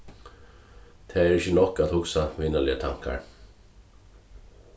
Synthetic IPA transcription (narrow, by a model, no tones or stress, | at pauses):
t̪ʰɛːɛɾɪçənɔhkaðhʊksaʋɪnalɪat̪ʰaŋ̥ka̰ɹ